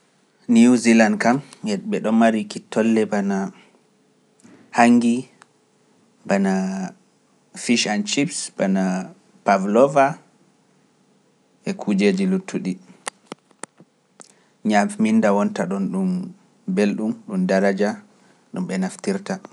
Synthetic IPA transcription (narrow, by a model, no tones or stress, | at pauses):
niuzilandkamɛɓɛɗɔmmaɾikitʰːɔlːɛbana | haŋɡi | bana | fiʃant͡ʃipsbana | pavlɔva | ʔɛkʰud͡ʒed͡ʒilutʰːuɗi | ɲammindawɔntaɗɔnɗum | belɗumɗumdaɾad͡ʒa | ɗumɓɛnaftiɾta